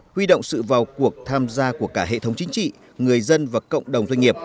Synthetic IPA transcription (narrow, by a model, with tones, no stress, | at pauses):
hwi˧ɗo̰˧˨wŋ͡msɨ̰˧˨vaː˨˩wku˨˩ək̚t̪ʰaː˧mzaː˧ku˧˩əkaː˧˩ɦḛ˧˨t̪ʰə˨˦wŋ͡mt͡ɕï˨˦ŋ̟t͡ɕḭ˧˨ | ŋɨ˨˩əjzə˧nvaː˨˩kə̰˧˨wŋ͡mɗə˨˩wŋ͡mzwa˧ŋ̟ŋi˨˩əp̚